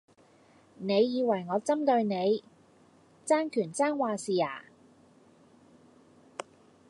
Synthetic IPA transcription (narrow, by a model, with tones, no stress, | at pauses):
ne˨˧jːiː˨˧wɐ˨˩jŋɔː˨˧t͡sɐ˥mt̪ɵ˧ɥne˨˧j | t͡saː˥nkʰyː˨˩nt͡saː˥nwaː˨siː˨a̰ː˨˩